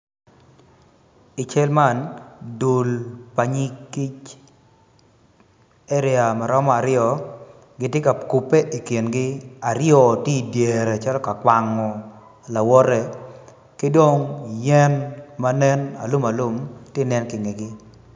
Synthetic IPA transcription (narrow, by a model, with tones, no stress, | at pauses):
ɪ˨t͡ʃɛ˦lma˦˨ndo˨lpa˨ɲi˦ki˦t͡ʃ | ɛ˦ɾɪa˨ma˨ɾɔ˦mɔ˦a˨ɾɪjɔ˨ | ɡɪ˨tjɪ˦ka˨ku˨pe˦ʔi˨kje˨nɡɪ˦a˨ɾɪjɔ˨ti˦˨dje˨ɾɛ˨t͡ʃa˦lɔ˦ka˨kwa˨ŋɔ˨ | la˨wɔ˦ɾɛ˨ | kɪ˦do˦ŋjɛ˦nma˦nɛ˦na̰˨lʊ˦ma˨lʊ˦mtje˦˨nɛ˦nkɪ˨ŋe˨ɡɪ˦